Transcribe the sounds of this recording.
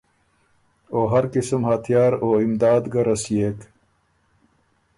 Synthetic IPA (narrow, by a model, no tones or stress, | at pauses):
oːɦɐɾkismhat̪ʰjaːɾoːimd̪aːd̪ɡɐɾɐsjeːk